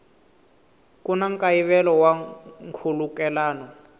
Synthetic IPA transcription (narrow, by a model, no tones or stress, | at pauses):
kunaŋkaiβɛlɔwaŋkʰulukɛlaːnɔ